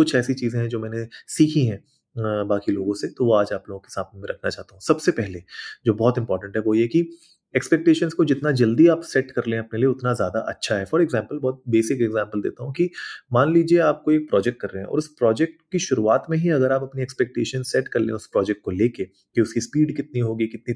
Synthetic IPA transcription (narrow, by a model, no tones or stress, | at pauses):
kʊt͡ʃʰɛːsit͡ʃiːzẽɦɛ̃d͡ʒoːmɛːnesiːkʰiɦɛ̃ː | baːkiloːɡõset̪oʋoaːd͡ʒaːploːɡõkesaːmnemẽɾɐkʰnat͡ʃaːɦt̪aɦũsɐbsepɛɦled͡ʒoːbɔːt̪ɪ̃mpɔːɾʈə̃ɳʈɦɛʋojeki | ɛːkspɛːk̚ʈeːʃə̃nskod͡ʒɪt̪nad͡ʒɐld̪iaːpsɛʈkɐɾlẽɐpnelieʊt̪nazjaːd̪aʔɐ̰tːʃʰaɦɛfɔːɾɛɡzãːmpəlbɔːt̪̚beːsɪkɛɡzãːmpəld̪ḛːt̪aɦũkimaːnliːd͡ʒieaːp̚koeːk̚pɾɔːd͡ʒɛk̚ʈkɐɾːeɦɛ̃ʔɔ̰ːɾʊspɾɔːd͡ʒɛk̚ʈkiʃʊɾuaːt̪mẽɦiɐɡəɾaːpɐpniɛkspɛːk̚ʈeːʃənzsɛʈkɐɾlḛ̃ẽʊspɾɔːd͡ʒɛk̚ʈ̚koleːke | kiʊskispiːɖkɪt̪niɦoːɡikɪt̪̚ni